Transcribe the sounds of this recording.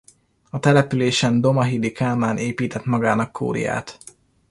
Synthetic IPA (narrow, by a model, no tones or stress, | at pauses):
ɒt̪ɛlɛpyleːʃɛnd̪o̞mɒɦid̪ikaːmaːnʔeːpiːt̪ɛt̪mɒɡaːnɒkːʰo̰ːɾḭja̰ːt̪